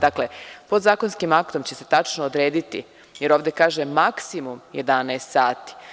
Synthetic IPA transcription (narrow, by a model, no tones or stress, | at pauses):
d̪akle̞pod̪zaːkonskimakt̪o̞mt͡ɕe̞se̞t̪at͡ʃnoːd̪ɾe̞ːd̪it̪ḭ | je̞ɾoːʋd̪je̞kaːʒemaksimumjed̪anɛest̪saːt̪i̥